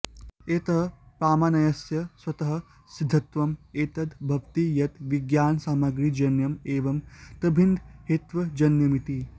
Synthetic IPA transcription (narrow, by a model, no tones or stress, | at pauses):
eːt̪ɐɦɐpɾaːmɐnɐjɐsjɐswɐt̪ɐɦɐ̆ | sid̪ʱːɐt̪ʋɐmeːt̪ɐd̪bʱɐʋt̪ijɐt̪ʋiɡjaːnsaːmɐɡɾid͡ʒɐnjɐmeːʋɐmt̪ɐbʱind̪ʱheːt̪ʋɐd͡ʒɐnjɐmit̪i